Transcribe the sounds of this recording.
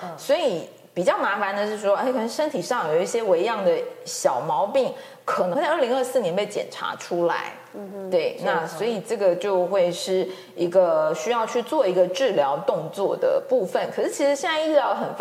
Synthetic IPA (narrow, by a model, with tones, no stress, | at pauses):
swɔ˧˥i˨˩ | pi˨˩t͡ɕjɑ˥˩ʊna˧˥fa˧˥nd̪ə˧ʂɻ̩˥˩ʂwɔ˥˩ɪkʰə˩˧˥ʂə˥nt̪ʰi˨˩ʂɑ˥˩ŋjo˨˩˨i˥˩ɕjɛ˥we˧˥ɪjɑ˥˩ŋd̪ə˩ɕjɑ˨˩ʊmɑ˧˥ʊpi˥˩ŋ | kʰə˨˩n˧˥˧li˧˥ŋə˞˥˧sɹ̩˥˩jɛ˧˥npe˥˩ɪt͡ɕjɛ̰˨˩nʈ͡ʂʰa̰˧˥ʈ͡ʂʰu˥la̰˧˥ɪ | t̪we˥˩ɪna˥˩swɔ˧˥i˨˩ʈ͡ʂɤ˥˩ɡə˩t͡ɕjo˥˧ʊxwe˥˧ɪʂɻ̩˥˩ | i˧˥ɡə˧ɕy˥jɑ˥˧ʊt͡ɕʰy˥˧t͡swɔ˥˩i˧˥ɡə˧ʈ͡ʂɻ̩˥˩ljɑ˧˥ʊt̪ʊ˥˧ŋt͡swɔ˥˩d̪ə̰˩pu˥˧fə˥˩nkʰɤ˨˩ʂɻ̩˥˩t͡ɕʰi˧˥ʂɻ̩˧˥ɕjɛ˥˧nt͡sa˥˧i˥˧˥ɑ˥˧˩xə˨˩nf